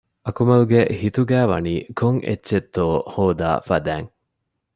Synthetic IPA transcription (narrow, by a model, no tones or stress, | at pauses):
ʔɐkumɐluɡehit̪uɡæːʋɐ̰niːkʰoŋʔḛtːʃet̪ːoːhoːd̪a̰ːfɐd̪æːŋ